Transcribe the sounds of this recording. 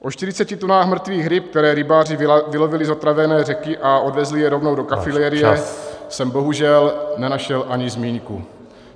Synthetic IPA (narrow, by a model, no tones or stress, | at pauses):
ʔo̞ʃt̪ɪɾɪt͡sɛcɪt̪onaːxmr̩t̪viːɣɾɪp̚k̚t̪ɛɾɛːɾɪbaːrɪvɪlo̞vɪlɪzo̞t̪ɾavɛnɛːrɛkɪʔaʔo̞dvɛzlɪjɛɾo̞vno̞wdokafɪlɛːɾɪjɛɛsɛmbo̞ɦuʒɛlnɛnaʃɛlʔaɲɪzmiːŋku